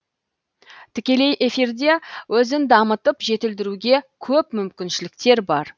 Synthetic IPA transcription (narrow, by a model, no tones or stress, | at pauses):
t̪ʰɪkʲe̞le̞jʔe̞fiɾd̪e̞wɵzɪnd̪ɑmət̪əpʒe̞t̪ɪld̪ɪɾuɡʲe̞kʲʰɵpmʏmkʲɪnʃɪlɪk̚t̪e̞ɾbɑɾ